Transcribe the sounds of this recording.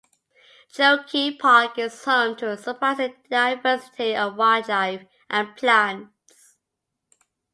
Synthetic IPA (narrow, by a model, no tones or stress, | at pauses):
d͡ʒoʊkʰipʰɑˑk̚ɪ̥tʰəntʰəəsəpʰasɪt̚d̥aɪvɜˑsɪ̥tʰiəvwad͡ʒaɪv | ʔə̃npʰlãn | s